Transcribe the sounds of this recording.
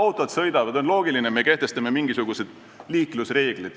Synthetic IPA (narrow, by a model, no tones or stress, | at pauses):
ɑwt̪ːˑod̪̥sɤjd̪ɑvɑd̪̥o̞nlo̞ːɡ̥ilinemeke̞ht̪e̞st̪ɑme̞miŋɡ̥isuɡ̥use̞d̪̥ | liːklusre̞ːɡ̥lid̪̥